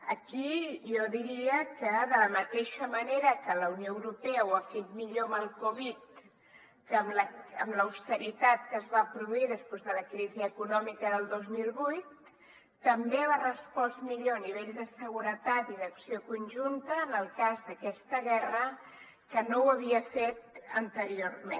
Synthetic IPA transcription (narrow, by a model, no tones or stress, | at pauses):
əkiʒɔðiɾiəkəðələmət̪eʃəməneɾəkələunioəwɾupɛəwafet̪̚miʎoəməlˠkoβit̪ | kəmləəmləwst̪əɾit̪at̪̚kəzβapɾuðuiðəspwezðələkɾiziəkunɔmikəðəlˠd̪ozmilˠβujt̪ː | əmbeβarəspɔsmiʎoəniβ̞eʎd̪əsəɣuɾət̪at̪iðəksiokunʲʒunt̪əːnəlˠkazðəkɛst̪əɣɛrə | kənowəβ̞iəfet̪ənt̪əɾiorme